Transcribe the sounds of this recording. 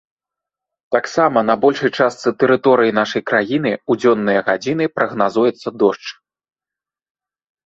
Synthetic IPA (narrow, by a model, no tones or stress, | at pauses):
t̪aksamɐnɐbɔlʲʂɐjt͡ʂast̪sɨt̪ɛɾɨt̪ɔɾɨjinaʂɐjkɾajin̪ɨud͡zʲɔnːɨjɐɣad͡zʲinɨpɾɐɣnazujɛt̪sːɐd̪ɔʂt͡ʂ